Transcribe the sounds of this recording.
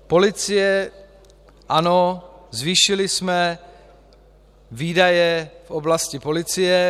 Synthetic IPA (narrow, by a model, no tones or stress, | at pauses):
po̞lɪt͡sɪjɛ | ʔanozviːʃɪlɪsmɛ | viːdajɛfʔoblascɪpo̞lɪt͡sɪjɛ